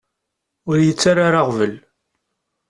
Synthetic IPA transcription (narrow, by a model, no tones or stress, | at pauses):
ʊɾjət͡sːaɾaɾaʁvəl